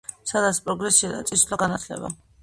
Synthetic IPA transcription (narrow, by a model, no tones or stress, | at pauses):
sad̪at̪sʰpʼɾɔɡɾɛsiad̪a̰t̪sʼislaɡanat̪ʰlɛ̰ba̰